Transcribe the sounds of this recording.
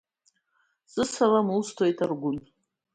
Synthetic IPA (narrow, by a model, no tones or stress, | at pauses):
z̥ɨsalamulstʰojtʰarɡʷʊn